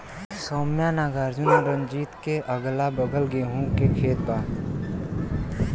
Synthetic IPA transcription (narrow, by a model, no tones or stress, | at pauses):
soːmjanaːɡaːɾd͡ʒʊnaɾə̃nd͡ʒiːt̪keʔɐɡlabəɡʱəlɡeːɦũkekʰeːt̪̚baː